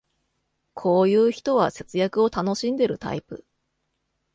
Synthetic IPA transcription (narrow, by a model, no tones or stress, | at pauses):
kʰo̞ːjɯ̟ːçi̥t̪o̞βase̞t͡sɨjakɯ̟o̞t̪ano̞ɕĩnd̪e̞ɾɯ̟t̪a̰ipɯ̰